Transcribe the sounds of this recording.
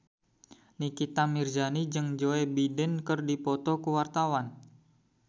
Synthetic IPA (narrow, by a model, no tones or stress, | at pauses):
nikit̪amird͡ʒanid͡ʒɨŋd͡ʒoebidɛnkərdipɔt̪ɔkuwart̪awan